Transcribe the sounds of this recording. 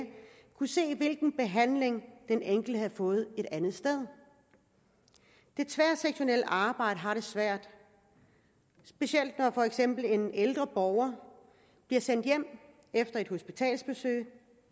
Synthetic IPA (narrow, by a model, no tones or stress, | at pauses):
kʰuse̝̰ːʋe̝lɡ̥n̩b̥e̝ɦæn̰le̝ŋd̥eneŋ̰ɡ̥l̩d̥əhæðˠfɔ̽ːð̞̩ˠe̝ɾ̥ænð̩ˠsd̥eð̞ˠ | d̥e̝t͡sʰʋæɐ̰seɡ̥ɕo̝nel̰əʔɑ̈ːb̥ɑ̈ɪ̰ɾ̥əɦɑ̈ɾ̥e̝sʋæɐ̰d̥ | sb̥e̝ɕel̰d̥nɒfɒ̽eɡ̥sem̰b̥l̩e̝neld̥ʁɐb̥ɒʊɐ | b̥liɐsen̰d̥jem̰ | efd̥ɐe̝d̥ho̝sb̥it͡sʰɛ̰ːlsb̥e̝sø̰ːɪ